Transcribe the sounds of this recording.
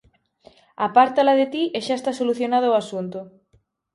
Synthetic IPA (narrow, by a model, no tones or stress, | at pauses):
apaɾt̪alaðet̪iʔeʃaest̪asoluθjonað̞ʊːasunt̪ʊ